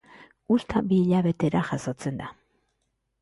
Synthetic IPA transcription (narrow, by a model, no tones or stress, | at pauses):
ust̪abiʎaβe̞t̪e̞ɾaxaso̞t͡se̞nd̪a